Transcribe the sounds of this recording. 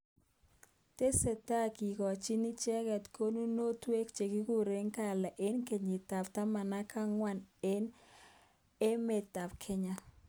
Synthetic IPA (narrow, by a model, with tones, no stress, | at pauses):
te˦se˨ta˦ki˨kɔ˨t͡ʃi˦ni˦t͡ʃɛ˦ɣɛ˨tko˦nu˦no˦twe˦kt͡ʃe˨ki˦ku˦ɾe˦ŋka˦˨la˨ʔe˦nke˨ɲɪ˨ta˨pta˦ma˨na˦ka˦ŋwa˦˨ne˦n | e˦me˨ta˨pkʰɛ˦ɲa˦